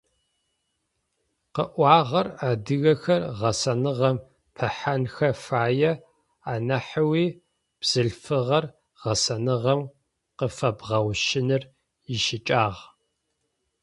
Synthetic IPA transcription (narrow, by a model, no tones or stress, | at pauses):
qəʔʷɑːʁɐraːdɨɣɐxɐrʁɐsɐnɨʁɐm | pʰɐħanxɐfaːjɛ | aːnɐħəwiː | b̥z̥ɨɮfɨʁɐr | ʁ̥ɐsɐnɨʁɐm | qəfɐbʁɐwʃɪnɨr | jɪʃɪt͡ʃʼaːʁ